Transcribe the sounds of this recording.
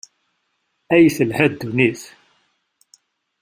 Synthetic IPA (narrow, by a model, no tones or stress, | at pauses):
æjθəlhæd̪ːuniθ